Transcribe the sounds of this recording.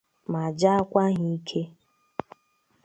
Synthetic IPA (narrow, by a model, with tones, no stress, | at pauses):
ma˨d͡ʒa˦a˦kʷa˦ɦi˦i˦kʰe˦